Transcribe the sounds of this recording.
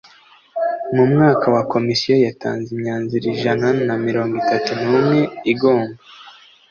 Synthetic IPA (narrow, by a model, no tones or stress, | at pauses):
mumŋaːkʰawako̞misijo̞jata̰ːnzimɲaːnziɾiʒananamiɾo̞ːŋɡitatunuːmŋe̞iɡoːmba